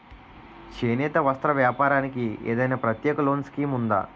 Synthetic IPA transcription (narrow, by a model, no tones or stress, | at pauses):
t͡ʃeːnɛːt̪ɐʋɐst̪ɾɐʋjaːpaːɾaːnikiḛːd̪ɐjnaːpɾɐt̪jɛːkɐloːnskiːmund̪a̰ː